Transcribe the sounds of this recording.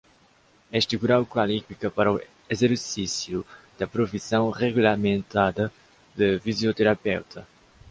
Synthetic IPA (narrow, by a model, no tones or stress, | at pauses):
ɛst̪ɪɣuɾawkwalifikɐpaɾɐu | ezeɾsisjud̪̥ɐpɾofisɐ̃w̃ʁeɣulamẽnt̪ad̪ɐ | d̪ɨfizjot̪eɾapɛwt̪ʰɐ